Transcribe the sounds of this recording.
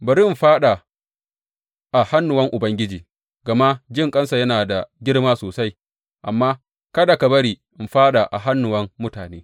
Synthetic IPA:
bɐ˨ɾɪ˦m˨ɸaː˦ɗa˨ | ʔa˨ha˦nːʊ˨wɐ˦ŋʔʊ˨bɐ˦ŋɡʲɪ˦d͡ʒiː˨ | ɡɐ˨ma˦d͡ʒɪ˦ŋkʼɐ˦nsa˨jɐ˦naː˨da˨ɡʲɪ˦ɽmaː˦soː˨sa˦j | ʔa˨mːaː˦ | kɐ˦da˨ka˨bɐ˦ɾiː˨ʔɪ˨mɸaː˦ɗa˨ʔa̰˨ɦa˦nːʊ˨wɐ˦mːʊ˦taː˨neː˦

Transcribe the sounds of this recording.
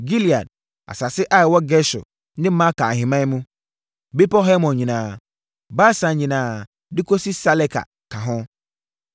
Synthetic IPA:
ɡi˦li˨a̰˨d̚ | a̰˨sa˨sɪ˦ʔa˦ɪ˨wɔ˦ɡɛ˦sʊ̰˨ | nɪ̃˦mã˦ka˨ɦɪ̃˨mã˦mũ˦ | be˦pɔ˦ɦɛ˦mɔ̃˨nɲĩ˨nãː˨ | ba˦sã˨ɲĩ˨nãː˨ | dɪ˦kʰo˦si˦sa˦lɛ˦kʰa̰˨ | kʰã˨ɦɔ̃˦

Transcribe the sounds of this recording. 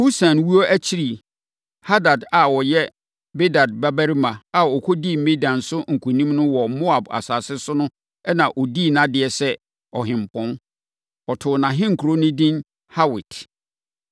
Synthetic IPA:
ho˦sã˨nwu˦o˦ʔæ˦t͡ɕʰi˦ɾi˨ | ha˦da˨da˨wɔ˨jɛ˦ | be˦da˨d̚ba˦bæ˦ɾi˦mã˨a˨ɔ˨kʰo˦di˦˨m˦mẽ˦dã˨nsʊ˦ŋ̩˨kʰũ˨nĩ˦mnʊ̃˦wɔ˨mo˦a˨ba̰˨saː˨sɪ˦sʊ˦nʊ̃˦ | ɛ˦nã˨ʔɔ˨di˦˨nã˦dɪ˨ɛ˨sɛ˦ | ɔ˨ɦɪ̃˨m˨pʰɔ̃˦n | ɔ˨tʰʊ˨nã˨ɦɪ̃˦ŋ̩˨kʰu˨ɾo˦nʊ̃˦dĩ˦n | ha˦wɪ̰˨t

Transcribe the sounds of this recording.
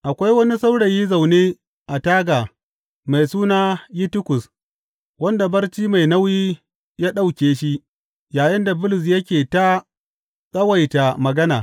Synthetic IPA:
ʔa˨kʷa˦jwɐ˦ni˦sa˦wɽɐ˨ji˦za˨wneː˦ | ʔa˨taː˦ɡaː˨ | ma˨jsuː˦naː˦ji˦tɪ˦kʊ˨s | wɐ˦nda˨bɐ˦rt͡ʃiː˦ma˨jna˦wjiː˦ | jaː˦ɗa˦wkʲeː˨ʃi˦ʔ | jaː˨jɪ˦nda˨bʊ˦lɪ˨s̬jɐ˦kʲeː˨ta˦ | sʼɐ˦wa˨jta˨mɐ˨ɡɐ˦naː˨

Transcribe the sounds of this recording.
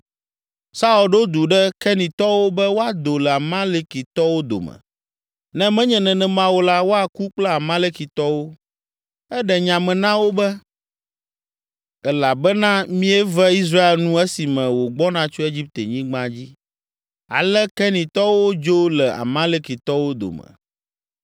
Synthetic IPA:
sa˦u˨lɖo˦d̪u˨ɖɛ˦kɛ˦nĩ˨t̪ɔ˦wo˦bɛ˦wo˦a˨d̪o˨lɛ˨a˨mã˦le˦ki˨t̪ɔ˦wo˦d̪o̰˨mɛ̰̃˨ | nɛ̃˦mɛ̃˦ɲɛ̃˨nɛ̃˨nɛ̃˨mã˦wo˦la˦wo˦a˨ku˦k͡plɛ˦a˨mã˦le˦ki˨t̪ɔ˦wo˦ | ɛ˦ɖɛ˨ɲã˨mɛ̃˨nã˦wo˦bɛ˦ | ɛ˦la˨bɛ˦nã˦mĩ˦ɛ˦vɛ˦i˦s̬ɾa˦e˨lnũ˦ɛ˦si˨mɛ̃˨wo˨ɡ͡bɔ˦nã˦t͡ʃo˦e˦d͡ʑi˦p̚t̪e˨ɲĩ˦ɡ͡bã˦d͡ʑi˦ | a̰˨lɛ˦kɛ˦nĩ˨t̪ɔ˦wo˦d͡ʒo˦lɛ˨a̰˨mã˦le˦ki˨t̪ɔ˦wo˦d̪o̰˨mɛ̰̃˨

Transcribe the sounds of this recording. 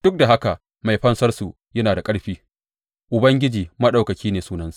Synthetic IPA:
d̥ʊ˦k̚da˨ɦa˦ka˨ʔ | ma˨jɸɐ˦nsɐ˦rsu˨ | jɐ˦naː˨da˨kʼɐ˦ɽɸiː˦ | ʔʊ˨bɐ˦ŋɡʲɪ˦d͡ʒiː˨mɐ˦ɗa˨wkɐ˨kʲiː˦neː˨suː˦nɐ˦nsu˨ʔ

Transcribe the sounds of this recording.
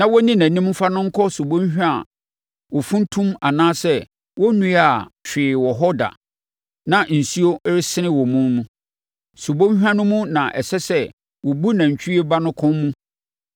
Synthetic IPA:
nã˨wɔ˦nĩ˦næ̃˨nĩ˦m˦fa˦nʊ̃˦ŋ̩˦kʰɔ˦su˨bõ˦ɕᶣa˨ | wɔ˨fũ˦n˦tʰũ˦ma˨nãː˦sɛ˦ | wɔ˦nũ˦a˨t͡ɕᶣɪː˨wɔ˨ɦɔ˦da̰˨ | nã˨n̩˨si˦o˦ɾɪ˦sɪ˦nɪ̃˦wɔ˨mũ˦nnũ˦ | su˨bõ˦ɲ˦hᶣa˦nʊ̃˦mũ˦nã˨ʔɛ˨sɛ˦sɛ˦ | wɔ˨bu˦nã˨ɲ̩˨t͡ɕʰᶣi˦i˦e˦ba˦nʊ̃˦kʰɔ̃˦nmːũ˦

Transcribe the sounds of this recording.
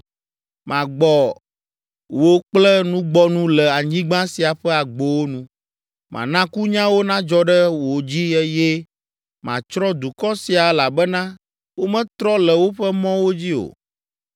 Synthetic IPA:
mã˨ɡ͡bɔ˨ | wo˦k͡plɛ˦nũ˦ɡ͡bɔ˦nũ˦lɛ˨a˨ɲĩ˦ɡ͡bã˦si˨a˨ɸɛ˦a˨ɡ͡bo˨wo˦nũ˦ | mʔã̰˨nã˦ku˦ɲã˦wo˦nã˦d͡ʒɔ˦ɖɛ˦wo˨d͡ʑi˦ɛ˦jɛ˦ | mã˨t͡ʃɾɔ˦d̪u˨kɔ˦si˨a˨ɛ˦la˨bɛ˦nã˦ | wo˦mɛ̃˦t̪ɾɔ˦lɛ˨wo˦ɸɛ˦mɔ̃˦wo˦d͡ʑi˦o̰˨

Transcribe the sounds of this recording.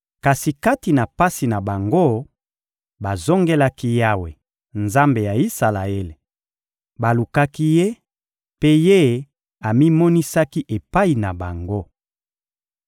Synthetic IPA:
ka˨si˨ka˦ti˨na˨pa˦si˨na˨ba˨ŋɡo˦ | ba˨zo˦ŋɡe˦la˦ki˦ja˦we˨ | nza˦mbe˨ja˨i˦sa˨la˨e˦le˨ | ba˨lu˨ka˦ki˦je˦ | pe˦je˦ | a˨mi˦mɔ˦ni˦sa˦ki˦ʔe˨pa˦i˨na˨ba˨ŋɡo˦

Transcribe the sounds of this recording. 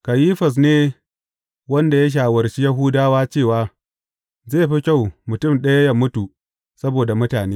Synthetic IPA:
kɐ˨jiː˦ɸɐ˨s̬neː˦ | wɐ˦nda˨ja˦ʃ̬aː˨wɐ˨rʃi˦jɐ˦ɦʊː˦daː˦waː˦t͡ʃeː˦˨waː˦ | zeː˦˨ɸi˦kʲa˦˨wmʊ˨tʊ˦˨mɗɐ˦ja˦ja˦mʊ˦tu˨ | sɐ˦boː˨da˨mʊ˦taː˨neː˦

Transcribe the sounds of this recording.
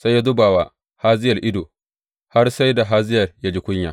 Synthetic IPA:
sa˦ja˦dʊ˦baː˨wa˨ | haː˦zɪ˦jɐ˨lʔɪ˦do˨ | ha˦rsa˦jda˨ɦaː˦zɪ˦jɐ˨rja˦d͡ʒi˦kʷʊ˦ɲja̰˨

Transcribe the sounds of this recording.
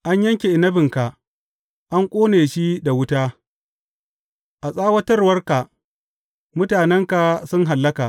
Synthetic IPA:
ʔa˦ɲjɐ˦ŋkʲe˨ʔɪ˨nɐ˦bɪ˨ŋka˨ʔ | ʔa˦ŋkʷʼoː˦neː˨ʃi˦da˨wʊ˦taː˦ | ʔa˨sʼaː˦wɐ˦tɐ˦rwɐ˦rka˨ | mʊ˦taː˨nɛ˦ŋka˨sʊ˦ŋɦa˨lːɐ˦kaː˨

